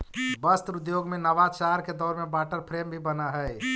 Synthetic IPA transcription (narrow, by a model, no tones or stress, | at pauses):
bəst̪ɾud̪joɡmenəʋat͡ʃaɾked̪ɔɾmẽbaʈəɾpʰɾembʱibənəɦəj